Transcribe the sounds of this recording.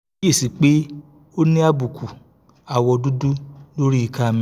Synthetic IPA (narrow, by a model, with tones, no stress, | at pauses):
je˦˨si˨˦k͡pe˦ | o˦nĩ˦a˦bu˨kʰu˨ | a˨wɔ˧du˦du˦lo˦ɾi˦i˦˧˨ka˦˨mĩ˧˦